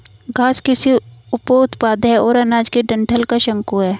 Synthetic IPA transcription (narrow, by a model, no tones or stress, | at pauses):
ɡʱaːskɪsiʊpoʊt̪paːd̪ɦɛɔːɾɐnaːd͡ʒkiɖɐ̃ɳʈʰəlkaʃɐ̃ŋkuɦɛː